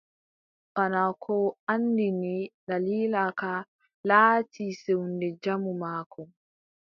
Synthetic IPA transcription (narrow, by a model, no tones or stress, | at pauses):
ʔanakʰɔandiniɗaliːlaka | laːtʰiːsewndɛd͡ʒamumaːkʰɔ